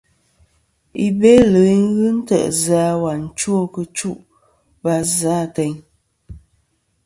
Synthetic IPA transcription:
i˨be˦lə˨˦i˦n˦ɣɨ˦n̩˦tə̰˦˨ʔza˨˦wa˨n̩˨t͡ʃwo˦˨kə˨t͡ʃu˦ʔ | ba˦za˨˦˨tɛ˨ɲ

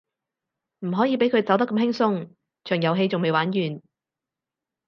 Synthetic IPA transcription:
m̩˨˩ɦɔː˨˥jiː˨˧pe˨˥jkʰɵ˨˧ɥt͡sɐ˨˥wt̪ɐ˥kːɐ˧mɦɪ˥ŋsʊ˧ŋ | t͡ʃʰœː˨˩ŋjɐ˨˧wɦe˧jt͡sʊ˨ŋme˨˧jwaː˨˥njyː˨˩n

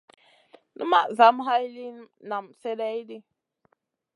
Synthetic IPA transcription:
nṵ˦ma˦ʔza˨˦mɦa˦jli˦na˨mse˦dɛ˦jdi˦

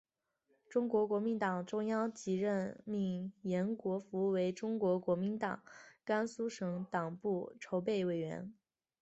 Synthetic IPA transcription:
ʈ͡ʂʊ˥ŋkwɔ˧˥kwɔ˧˥mi˧˥nt̪ɑ˨˩ŋʈ͡ʂʊ˥ŋjɑ˥ŋt͡ɕi˧˥ɻə˥˩nmi˥˩ŋjɛ˧˥nkwɔ˧˥fu˧˥˧we˧˥ɪʈ͡ʂʊ˥ŋkwɔ˧˥kwɔ˧˥mi˧˥nt̪ɑ̰˨˩˦ŋka˥nsu˥ʂɤ˧˥ŋt̪ɑ˨˩ŋpu˥˩ʈ͡ʂʰo˧˥ʊp̬e˥˩ɪwe˨˩ɪɥɛ̰˧˥n

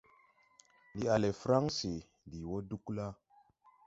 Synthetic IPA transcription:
ndi˨a˨le˨fɾa˦ŋsi˨ | di˨wo˦du˦kla˦

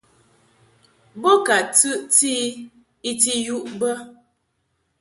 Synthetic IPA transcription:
bo˦ka˨tɨ˦ʔtiː˦ | i˦ti˦ju˦ʔbə˦

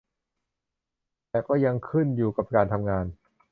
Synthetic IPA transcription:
t̪ɛː˨˩kɔː˥˩ja˧ŋkʰɯ˥˩njuː˨˩ka˨˩p̚kaː˧nt̪ʰa˧mŋaː˧n

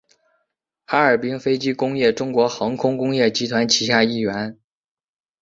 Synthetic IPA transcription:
xa˧˥ə˞˨˩pi˥ŋfe˥ɪt͡ɕi˥kʊ˥ŋjɛ˥˩ʈ͡ʂʊ˥ŋkwɔ˧˥xɤ˧˥ŋkʰʊ˥ŋkʊ˥ŋjɛ˥˩t͡ɕi˧˥t̪ʰwa˧˥nt͡ɕʰi˧˥ɕja˥˧i˥˩ɥɛ˧˥n

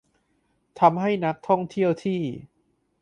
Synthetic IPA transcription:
t̪ʰa˧mɦa˥˩jna˦˥k̚t̪ʰɔ˥˩ŋt̪ʰi˥˩əwt̪ʰiː˥˩

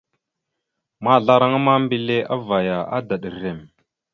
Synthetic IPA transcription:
ma˦˨ɮa˦ɾa˦ŋa˦ma˦mbi˦le˦a˦va˨ja˨ʔa̰˦da˨ɗə˨ɾe˨m

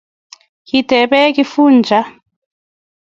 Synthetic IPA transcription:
ki˨d̥ʱɛ˨ɓɛ˦k̬i˦fuː˦nd͡ʒʱa˦

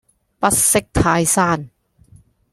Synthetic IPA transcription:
pɐ˥t̚sɪ˥k̚t̪ʰaː˧jsaː˥˩n

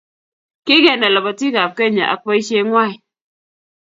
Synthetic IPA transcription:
ki˦ɡɛ˨na˨la˨ba˨ti˦ɡa˨p̚ke˦˨ɲa̰˨ʔa̰˨k̚pa˦i˦ʃe˦ŋwa˦˨i˨

